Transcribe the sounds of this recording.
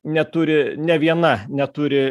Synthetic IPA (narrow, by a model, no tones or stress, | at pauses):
nʲɛt̪ʊːɾʲɪnʲɛʋʲiɛnɐnʲɛt̪ʊːɾʲɪ